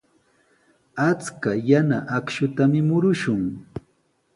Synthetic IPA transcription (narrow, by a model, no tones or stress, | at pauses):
at͡skajanaʔakʃʊt̪amɪmʊɾʊʃʊŋ